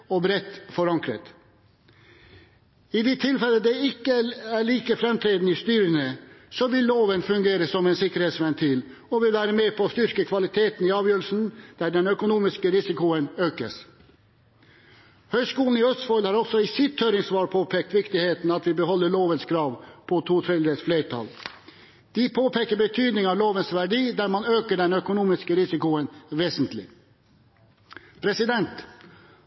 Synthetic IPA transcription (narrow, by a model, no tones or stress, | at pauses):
ɔbɾɛt̪ːfɔɾɑŋkɾə̰t̪ | ɪd̪ɛt̪ʰɪlfɛlːəd̪ɛɪkːəæɭiːkəfɾɛmt̪ʰɾeːd̪nist̪yːɾənəsɔʋɪlːoːʋənfʉŋɡeːɾəsɔmɛnsɪkːəɾheːt̪sʋɛnt̪ʰiːl | ɔʋɪlʋæːɾəmeːpʰɔst̪ʏɾkəkʰʋɑlɪt̪ʰeːt̪nɪɑːʋjøːɾəl̩sn̩d̪̥æɖɛnœkʊnuːmɪskəɾɪsɪkʊənøːkə̰s | hœʏskuːln̩ɪœst̪fɔlhɑːɾɔsɔɪsɪt̪ʰːœːɾɪŋsʋɑːɾpʰoːpʰeːk̚t̪ʋɪkt̪ɪheːt̪n̩ɑt̪ʋɪbəhɔlːəɭoːʋənskʰɾɑːʋpʰɔt̪ʰuːt̪ʰɾɛd̪əsfleːʈʰɑ̰l | d̪̥ipʰoːpeːkəɾbət̪ʰyːd̪nɪŋɑʋloːʋənsʋæɖiːd̪æɾmɑnøːkəɖɛnœkʊnuːmɪskəɾɪsɪkʊənʋeːsənt̪lɪ̰ | pʰɾɛsɪd̪ɛnt̪